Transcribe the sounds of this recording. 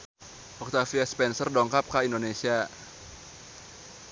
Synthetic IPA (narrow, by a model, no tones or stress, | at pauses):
ʔɔk̚t̪afiaspɛnsərdɔŋkap̚kaindonesia